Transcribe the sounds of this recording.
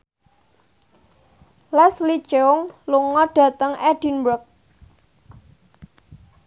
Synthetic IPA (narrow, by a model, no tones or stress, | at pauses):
lɛslit͡ʃeʊŋluŋɔɖ̥a̤t̪əŋɛɖ̥i̤nbɾʊk̚